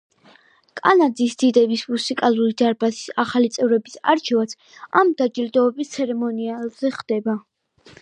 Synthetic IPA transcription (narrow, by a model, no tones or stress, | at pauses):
kʼanad̪zisd̪̥id̪ɛbismusikʼalˠuɾid̪aɾbasi̥saχalit̪sʼɛvɾɛbisa̰ɾt͡ʃʰɛvat̪sʰ | amd̪ad͡ʒild̪ɔːbist̪sʰɛɾɛmɔnialz̥ɛχd̪̥ɛba